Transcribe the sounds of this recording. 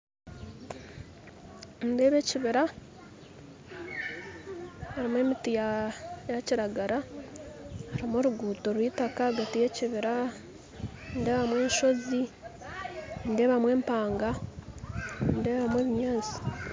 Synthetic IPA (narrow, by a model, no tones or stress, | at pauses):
nde̞βe̞ːciβiɾa | aɾimwe̞ːmitijajaciɾaɡaɾa | haɾimoɾuɡuːtoɾwitakaɡatije̞ciβiɾa | ndeːβamwe̞ːɲʃo̞zi | nde̞ːβamwe̞ːmpaːŋɡa | nde̞ːβamweːβimaːzi̥